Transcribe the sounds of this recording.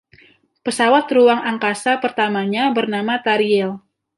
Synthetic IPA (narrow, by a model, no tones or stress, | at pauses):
pəsawat̪ruaŋaŋkasapərt̪amaɲabərnamat̪aɾiɛl